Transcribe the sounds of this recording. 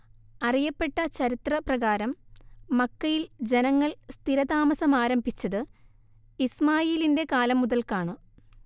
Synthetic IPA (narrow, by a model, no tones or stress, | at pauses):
ɐrijɐpːe̞ʈːɐt͡ɕɐɾit̪rɐprɐɣaːɾɐmːɐkːɐjild͡ʑe̞nɐŋːɐɭst̪ʰiɾɐd̪aːmɐsɐmaːɾɐmbʱit͡ɕːɐðɨ | ismaːjeːlinde̞kaːlɐmːuðɐlkaːɳɨ